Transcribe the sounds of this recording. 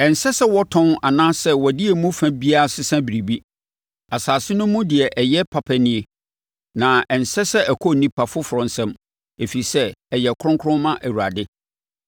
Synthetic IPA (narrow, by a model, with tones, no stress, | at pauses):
ɛ˨n̩˨sɛ˦sɛ˦wɔ˦tʰɔ̃˦na˨nãː˦sɛ˦wɔ˨dɪ˦e˨mũ˦fæ̃˦bi˦a˦a˨sɪ˦sã˦bi˨ɾi˨bi˦ | a˨saː˨sɪ˦nʊ̃˦mːũ˦dɪ˨ɛ˨ʔɛ˨jɛ˦pʰa˨pʰɛ˦nɪ̃˦e˨ | nã˨ɛ˨n̩˨sɛ˦sɛ˦æ˨kʰɔ˦˨nĩ˦pʰa˨fʊ˦fʊ˨ɾɔ̃˨n˦sɛ̃˦m | e˨fi˨i˨sɛ˦ɛ˨jɛ˨kʰʊ˦ɾʊ̃˦ŋkʰʊ˦ɾʊ̃˦mã˦ʔæ˨wu˨ɾa̰˨dɪ˦